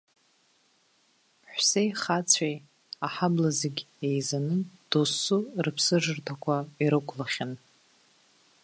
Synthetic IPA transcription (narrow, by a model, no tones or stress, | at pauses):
ħᶣʷse̞jχat͡sʰaj | aħablazeɡʲ | ejzanɨd̥osːurɨpʰsɨʐɨrtʰakʷʰaiɾɨkʷʰlaχʲɪn